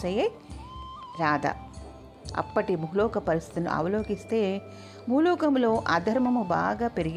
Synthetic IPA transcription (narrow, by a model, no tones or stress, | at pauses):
ɐje | ɾaːd̪ɐ̰ | ɐ̰pːɐʈimuɦlɔːkɐpɐɾist̪ʰi̥t̪inṵʔɐ̰ʋɐloːɡist̪e̞ː | muːlɔːkɐmlo̞ːʔɐd̪ʱɐɾmɐmubaːɡaːpeɾiɡ